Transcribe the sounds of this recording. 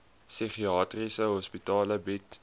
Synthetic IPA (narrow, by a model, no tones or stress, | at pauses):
siχiɑːtrisəɦɔspitɑːləbit